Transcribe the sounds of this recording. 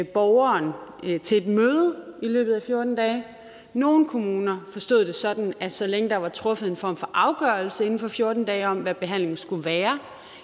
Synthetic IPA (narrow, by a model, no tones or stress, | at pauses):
b̥ɒʊɐnt͡sʰe̝led̥møːð̞ˠəilø̰ːb̥ð̩ˠæfjo̝ɐd̥n̩d̥ɛː | no̝ːn̩kʰo̝muːnɐfɒ̽sd̥o̝ð̰ˠd̥e̝sɒ̽d̥n̩æ̥sɒ̽leŋəd̥ɑ̈ʋɑ̈t͡sʰʁɔ̽fəð̩ˠe̝nfɒ̰ːmfɒ̽ʔɑ̈ʊɡ̥ɶɐlsəe̝n̩fɒ̽fjo̝ɐd̥n̩d̥ɛːɪɒ̽m̰ʋæb̥e̝ɦæn̰le̝ŋn̩sɡ̥uʋæːɐ